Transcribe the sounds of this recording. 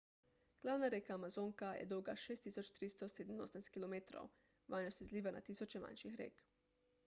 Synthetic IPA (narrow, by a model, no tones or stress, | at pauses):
ɡ̥laːwnaɾekaːmazoŋkajɛ̰d̪oːɡaʃeːst̪isot͡ʃt̪ɾist̪ɔseːd̪mno̰snast̪̚kilomeːt̪ɾo̰w | ʋanosɛzliːʋana̰t̪isot͡ʃɛma̰nʃixɾḛːk